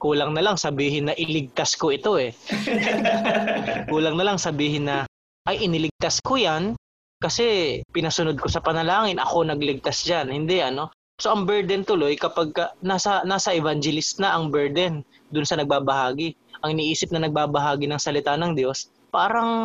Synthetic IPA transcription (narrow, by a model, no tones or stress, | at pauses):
kuːlɐŋnɐlaŋsɐbiːɦɪnːɐʔɪlɪɡ̚t̪asko̞ʔɪt̪o̞ʔɛ | kuːlɐŋnɐlaŋsɐbiːɦɪnːɐ | ʔɐjʔɪnɪlɪɡ̚t̪askojan | kɐsɛpɪnɐsʊnod̪̚ko̞sɐpɐnɐlaːŋɪnʔɐ̰ko̞nɐɡlɪɡ̚t̪asd͡ʒanhɪnd̪ɛʔɐno̞ | so̞ʔɐŋbɛɹd̪ɛnt̪ʊlo̞jkɐpaɡ̚kɐnaːsɐnaːsɐʔɛvand͡ʒɛlɪst̪̚nɐʔɐŋbɛɹd̪ɛn | d̪ʊnsɐnɐɡ̚baːbɐhaːɡɪ | ʔɐŋɪniʔiːsɪp̚nɐnɐɡ̚baːbɐɦaːɡɪnɐŋsɐlɪt̪anɐŋd̪jo̞s | paːɾɐŋ